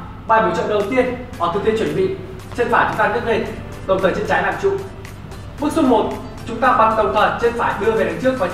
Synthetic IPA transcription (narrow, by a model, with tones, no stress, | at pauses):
ɓaː˧mi˨˦t͡ɕɔ̰˧˨ʔɗə˨˩wt̪i˧ənkaː˨˩t̪ʰɨ˨˩k̚t̪i˧t͡ɕwnɓḭ˧˨ | t͡ɕe˧nfaː˧˩t͡ɕʊ˨˦aː˧nɨ˦˥ək̚nə˧˩ | kə˨˩wŋ͡mt̪əː˨˩t͡ɕe˧nt͡ɕaː˨˦jla̰ː˧˨mt͡ɕʊ̰˧˨ | ɓɨ˦˥k̚su˦˧˥ŋ͡m̚mo˨˩t̚ | t͡ɕʊ˨˦ŋ͡mt̪aː˧ɓa˧˩ŋk̪ə˨˩wŋ͡mt̪ʰə˨˩t͡ɕe˧nfaː˧˩jɗɨ˧əve˨˩ɗa˨˦ŋt͡ɕɨ˦˥ək̚vɔ˨˦